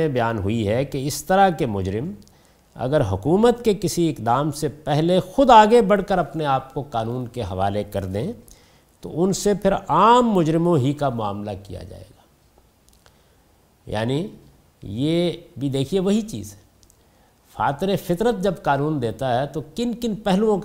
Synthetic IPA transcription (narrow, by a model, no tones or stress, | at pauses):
ẽbɐjaːnɦʊiɦɛkeɪst̪ɐɾakemʊd͡ʒɾɪm | ɐ̰ɡəɾɦʊkuːmət̪kekɪsiɪkd̪aːmsepɛɦlexʊd̪aːɡebɐɽ̤kəɾɐpneaːp̚koqaːnuːnkeɦɐʋa̰ːlekɐɾd̪ẽː | t̪o̰ʊnsepʰɪɾaːmːʊd͡ʒɾɪmõɦikamʊa̰ːmlakija̰d͡ʒa̰ːḛːɡaː | ja̰ːni | jeːbʱid̪eːkʰieʋɐɦit͡ʃḭːzɦɛ | fa̰ːt̪ɾefɪt̪ɾət̪̚d͡ʒɐbkaːnũːnd̪eːt̪aɦɛt̪okɪnkɪnpɛɦlũõk